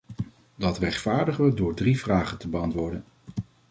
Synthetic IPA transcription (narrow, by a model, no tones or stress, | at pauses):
dɑtrɛχtfaːɹdəχəʋədʊːɹdrivraːχəntəbəɑntʋʊːɹdən